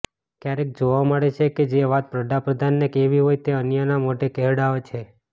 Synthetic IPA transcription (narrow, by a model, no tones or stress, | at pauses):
kjaɾek̚d͡ʒoʋamaɽet͡ʃʰeked͡ʒeʋat̪̚pɾəd̪apɾəd̪ʱanːekeʋiɦojt̪eənjanamoʈekeɦɽaot͡ʃʰe